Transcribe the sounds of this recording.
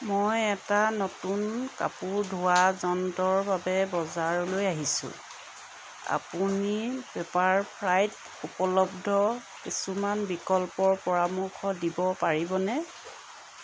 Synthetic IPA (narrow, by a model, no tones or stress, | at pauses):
mojɛtanotunka̰puɹdʱuwazɔntɔɹbabɛbɔzaɹɔlojaɦisʊ̰̃ | a̰punipepaɹpʰɹajt | upɔlɔbdʱɔ | kisumanbikɔlpɔɹpɔɹamʊxʰɔdibɔpaɹibɔnɛ